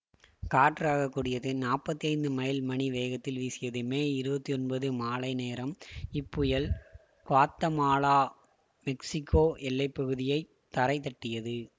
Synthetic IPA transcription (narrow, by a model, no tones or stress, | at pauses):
kaːʈːɾaːɣɐkːuːɽɪjɐðɯnaːpɐt̪ːijɐɪnd̪ɯmɐjɪlmɐɳiʋeːɣɐt̪ːɪlʋiːsɪjɐðɯmeːɪɾɯbɐt̪ːiɔnbɐðɯmaːlɐɪneːɾɐmɪpːɯjɐl | kʋaːt̪ːɐmaːlaː | mɛksɪkːoːʔɛlːɐɪpːɐɣɯðɪjɐɪ | t̪ːɐɾɐɪt̪ːɐʈːɪjɐðɯ